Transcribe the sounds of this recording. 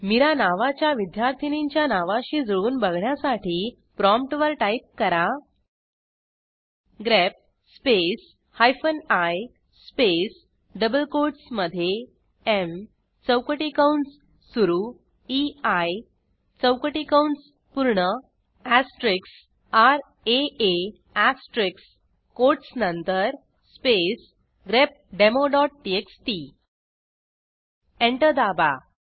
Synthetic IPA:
miɾanaʋat͡ɕjaʋid̪jaɾt̪ʰiniɲt͡ɕjanaʋãɕiːd͡zəɭuːnbəɡʱɳjasaʈʰiː | pɾɔmpʈʋəɾʈajip̚kəɾa | ɡɾɛp̚ | spes | hajfənaj | spes | ɖəbəlkoɾʈsməd̪ʱːje | em | t͡səwkəʈikawɳsː | uɾu | iaj | t͡səwkəʈikawɳs | puɾɳə | æsʈɾiks | aɾ | ee | æsʈɾiks | koʈsnənt̪əɾ | spes | ɡɾep̚ɖemoɖɔʈ̚ʈieksʈi | eɳʈəd̪aba

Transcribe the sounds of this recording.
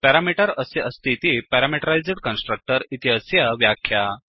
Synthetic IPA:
pɛɾamiʈəɾəseʔəst̪ʰit̪ipɛɾamiʈəɾajd͡zeɽkənsʈɾək̚ʈəɾit̪iəsjəʋjakʰːja

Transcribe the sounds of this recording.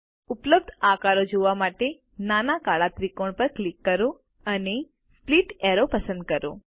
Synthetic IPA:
ʊpləb̚d̪ʱakaɾod͡ʒoʋamaʈe | nanakaɭat̪ɾikoɳpəɾklikːəɾo | əne | spliʈɛɾopəsə̃nd̪̚kəɾo̰

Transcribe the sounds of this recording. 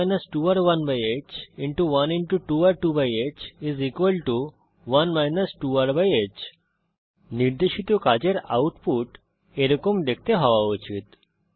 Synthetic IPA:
jnəsʈuaɾʋɐnbajet͡ʃĩɳʈuʋɐnĩɳʈuʈuaɾʈubajet͡ʃizikʋəlʈu | ʋɐnmajnəsʈuaɾbajet͡ʃ | niɾd̪eʃit̪okad͡ʑeɾa̰uʈpuʈ | eɾokomd̪ekʰt̪eɦɔʋaɔt͡ʃʰit̪

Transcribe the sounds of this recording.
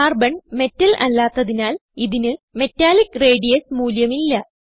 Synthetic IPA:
aːrbɐɳme̞tːɐlʔɐ̰lːaːt̪ːɐðinaːliðinɨme̞tːaːlikreːɖijesmuːljɐmilːɐ

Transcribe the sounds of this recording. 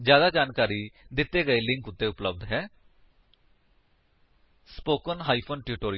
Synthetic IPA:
d͡ʒjaːd̪aːd͡ʒaːnkaːɾiːd̪ɪt̪ːeːɡəeːlɪ̃ŋkʊt̪ːeːʊpləbd̪ɦɛː | spoːkənɦaːipʰoːnʈɪɾʈoːɾi

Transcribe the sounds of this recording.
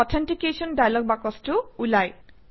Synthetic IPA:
ɔt̪ʰanʈikesɔnɖajlɔɡ̚bakɔsʈuulaj

